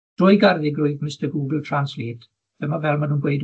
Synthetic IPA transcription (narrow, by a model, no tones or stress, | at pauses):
d̥rʊjɡarðɪɡrʊɨðmɪstəɡuːɡl̩ˠtʰransliːt | ðɛmavɛlˠmanuːnɡwejd